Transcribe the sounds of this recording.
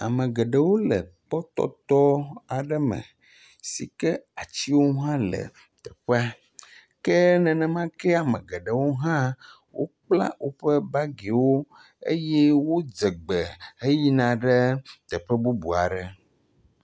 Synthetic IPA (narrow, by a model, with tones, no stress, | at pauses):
a˨mə̃˨ɡə˨ɖə˨wo˦lə˨k͡pɔ˦t̪ɔ̰˦t̪ɔ˦a˨ɖə˦mə̰̃˨ | si˨kɛ˦a˨t͡ɕi˦wo˦ɦã˦lə̰˨ | t̪ɛ˨ɸɛ˦a˦ | kɛ˦nɛ̃˨nɛ̃˨mã˦kɛ˦a˨mə̃˨ɡe˨ɖə˨wo˦ɦã˦ | wʔo̰˦k͡pla̰˦wʔo˦ɸə˦ba˦ɡe˨wo˦ | ḛ˦jɛ˦wo˦d͡ze˨ɡ͡bɛ˨e˦ji˦nã˨ɖɛ˦t̪ɛ˨ɸə˦bu˦bu˨a̰˨ɖə˨